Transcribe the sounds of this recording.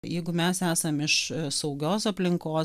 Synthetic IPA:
jɛɪɡʊmʲɛsæːsɐmɪʃsɐʊɡʲoːsɐpʲlʲɪŋkoː

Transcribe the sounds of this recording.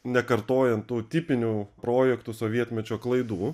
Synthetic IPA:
nʲɛkɐɾt̪oːjɛnt̪t̪uːt̪ʲɪpʲɪnʲuːpɾoːjɛkt̪ʊsoːʋʲiɛt̪ʲmʲɛt͡ʃʲoːklˠɐɪd̪uː

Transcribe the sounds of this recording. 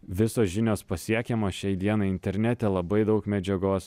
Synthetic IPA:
ʋʲɪsoːsʒʲɪnʲoːspɐsʲiɛkʲɛmoːʃʲɛɪd̪ʲiɛnɐɪɪnʲt̪ʲɛɾʲnʲɛt̪ʲɛlˠɐbɐɪd̪ɐʊkmʲɛd͡ʒʲɛɡoːs

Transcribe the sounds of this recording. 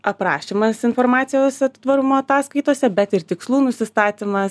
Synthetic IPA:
ɐpɾɑ̰ːʃʲimɐsɪnfoːɾmɑːt̪sʲɪjoːsɛt̪ʋɐɾumoːɐt̪ɑːskɐɪt̪oːsʲɛbʲɛt̪ɪrt̪ʲɪkslˠuːnʊsʲɪst̪ɑːt̪ʲɪmɐs

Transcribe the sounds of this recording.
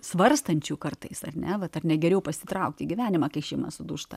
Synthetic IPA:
sʋɐrst̪ɐnʲt͡ʃʲuːkɐrt̪ɐɪsɐrʲnʲɛʋɐt̪ɐrnʲɛɡʲɛɾʲɛʊpɐsʲɪ̥t̪ɾɐʊk̚t̪ʲiːɡʲɪʋʲæːnʲɪmɑːkɐɪʃʲɛɪmɐ̰sʊd̪uʃt̪ɐ̰

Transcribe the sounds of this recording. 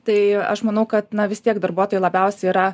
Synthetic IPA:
t̪ɐɪɐ̰ʃmɐnɐʊkɐt̪nɐʋʲɪst̪ʲiɛkd̪ɐɾbuɔt̪oːjɛlˠɐbʲɛʊsʲɛiɾɐ

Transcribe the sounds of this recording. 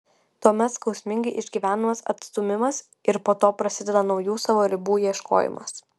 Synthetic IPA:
t̪uɔmʲɛt̪skɒʊsʲmʲɪŋʲɡʲɐɪʔɪʒʲɡʲiːʋʲæːnɐmɐsɐ̰t̪st̪ʊmʲɪmɐs | ɪɾpoːt̪oːpɾɐsʲɪd̪ʲɛd̪ɐnɒʊjuːsɑʋoːɾʲɪbuːjiɛʃkʰo̰ːjɪ̰mɐ̰s

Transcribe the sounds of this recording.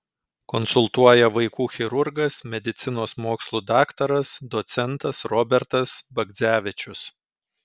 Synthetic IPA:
kɔnsʊlˠt̪uɔjɛʋɐɪkuːxʲɪɾʊɾɡɐsmʲɛd̪ʲɪt̪sʲɪnoːsmoːkslˠuːd̪ɑːkt̪ɐɾɐsd̪ɔt̪sʲɛnt̪ɐsɾɔbʲɛɾt̪ɐsbɐɡ̪zʲæːʋʲɪt͡ʃʲʊs

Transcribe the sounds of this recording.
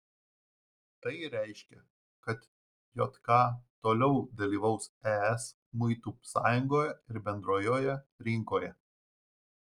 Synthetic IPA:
t̪ɐɪɾʲæˑɪʃʲkʲɛ | kɐt̪ | jo̰ːt̪kɑːt̪oːlʲɛʊd̪ɐlʲiːʋɐʊsæːɛs | mʊɪt̪uːsɑ̰ːjʊŋɡoːjɛɪɾbʲɛnd̪ɾoːjoːjɛɾʲɪŋkoːjɛ

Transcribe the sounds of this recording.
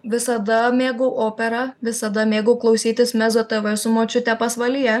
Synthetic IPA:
ʋʲɪsɐd̪ɐmʲeːɡʊʊʔoːpʲɛɾɐʋʲɪsɐd̪ɐmʲeːɡʊklˠɐʊsʲiːt̪ʲɪsmʲæzot̪ɐʋɐsʊmoːt͡ʃʲʊt̪ʲɛpɐsʋɐlʲɪjɛ

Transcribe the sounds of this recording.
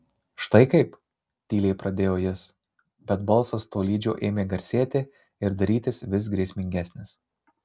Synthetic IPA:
ʃt̪ɐɪkɐɪp | t̪ʲiːlʲɛɪpɾɐd̪ʲeːjoːjɪs | bʲɛt̪bɐlˠsɐst̪oːlʲiːd͡ʒʲoːʔeːmʲeːɡɐɾʲsʲeːt̪ʲe | ɪɾd̪ɐɾʲiːt̪ʲɪsʋʲɪs̬ɡɾʲiɛsʲmʲɪŋʲɡʲæːsʲnʲɪs

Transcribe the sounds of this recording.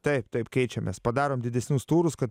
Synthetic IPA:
t̪ɐɪpt̪ɐɪpkʲɛɪt͡ʃʲɛmʲḛspɐd̪ɑːɾoːmd̪ʲɪd̪ʲɛsʲnʲʊst̪uːɾʊskɐt̪

